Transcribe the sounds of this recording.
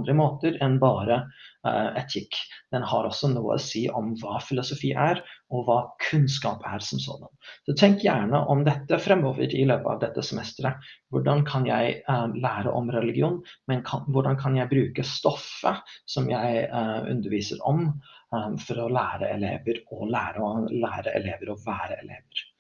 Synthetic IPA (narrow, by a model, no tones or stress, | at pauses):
nd̪ɾəmoːt̪əɾɛnbɑːɾə | ɛt̪ʰɪkːd̪̥ɛnhɑɾɔsːɔnuːə̰ɔ̰siːʔɔmʋɑːfɪlʊsʊfiːʔæɾɔʋɑːkʰʉnskɑːpæɾsɔmso̰ːd̪ɑnsɔt̪ʰɛŋkjæːɳəʔɔmd̪ɛt̪ːəfɾɛmoːʋə̰ɾɪløːpəɑ̰ʋd̪ɛt̪ːəsɛmɛst̪ɾəʋʊɖɑnkʰɑnjæɪlæːɾə̰ʔɔmɾɛlɪɡɪuːnmɛnkʰɑnʋʊɖɑnkʰɑnjæɪbɾʉːkəst̪ɔfːəsɔmjæɪʉ̰nd̪əɾʋiːsəɾɔ̰m | fɔɾɔlæːɾə̰ɛ̰lḛːʋəɾɔlæːɾəlæːɾəʔɛ̰leːʋəɾɔʋæːɾəɛ̰lḛːʋəɾ